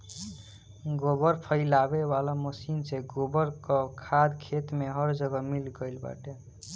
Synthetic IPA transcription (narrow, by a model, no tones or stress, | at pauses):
ɡobəɾpʰəɪlabewalaməsinseɡobəɾkɔkʰad̪kʰet̪meɦʌɾd͡ʒəɡʌmilɡəjlba̰ʈe